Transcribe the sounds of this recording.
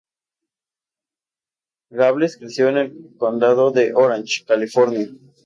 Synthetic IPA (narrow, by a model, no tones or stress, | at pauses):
ɣaβleskɾisjonelkond̪aðoðeʔoɾant͡ʃkalifoɾnia